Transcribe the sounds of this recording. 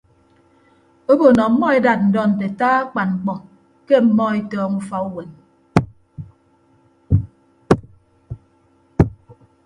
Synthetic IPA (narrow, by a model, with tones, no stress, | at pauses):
o˦bo˨nɔ˨m̩˦mɔ˦e˦da˨t̚n̩˨dɔ˦˨n̩˨te˨taː˦k͡pa˨nŋ͡m̩˨k͡pɔ˨ | ke˦m̩˨˦mɔ˦e˦tɔː˦ŋu˦fa˦u˦we˨n